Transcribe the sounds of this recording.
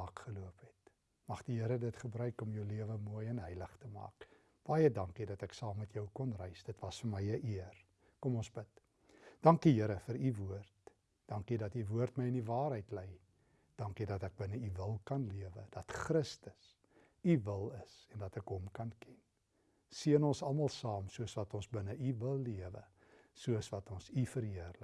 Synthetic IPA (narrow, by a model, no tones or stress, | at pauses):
ɑːkχəluəpɛt | mɐχdiɦəɾədətχəbrœɥkɔmjœwliəvəmuəjɛnɦəjləχtəmɑ̰ːk | b̥ɑjədɐŋkidɐtəksɑːmːɛtjœwkɔnrɛjsd̥ətvɐsfəməjəʔiər | kɔmɔnsbət | d̥ɐŋkiɦəɾəfəɾivuərt | d̥ɑŋkidɐtivuərtməjənivɑːɾɦɛjtlɛj | d̥ɑŋkidɐtɛk̚bənəivəlˠkɐnliəvədɐtχrəstəs | ivəlˠəsɛndɐtɛkɦɔmkɐnkɛn | siənɔnsɐlˠmɐlˠsɑːmsuəsvɐtɔnsbənəʔivəlˠːiəvə̰ | suəsvɐtɔnsifəɾɦiərlə